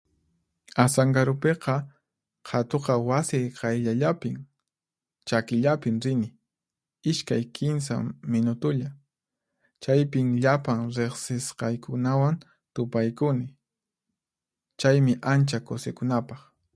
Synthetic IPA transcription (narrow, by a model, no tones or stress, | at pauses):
asaŋɡaɾʊpeqɑ | qʰɑt̪oqɑwasɪjqɑjʎaʎapɪm | t͡ʃakɪʎapɪmɾɪnɪ | ɪʃkajkʰɪns̬a̰mɪnʊt̪ʊʎa | t͡ʃajpɪmʎapaŋɾeχsɪsqɑjkʊnawan | t̪ʊpajkʊnɪ | t͡ʃajmɪʔant͡ʃakosekʊnapɑχ